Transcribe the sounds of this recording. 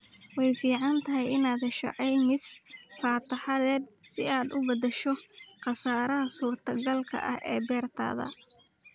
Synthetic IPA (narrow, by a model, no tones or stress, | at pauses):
wɛjfiːʕɑnt̪ʰɐɦɪjɪnaːd̪ʃɑ̰ʕɛjnɪsfaːt̪ʰɐħɑðɛːd̪̚sɪaːd̪ʊbɐðɛʃɔqɑsaːɾɐɦɐsuːrt̪ʰɐɡɐlkʰɐ̰ʔɐhɛːbɛːrt̪ʰa̰ːðɐ̰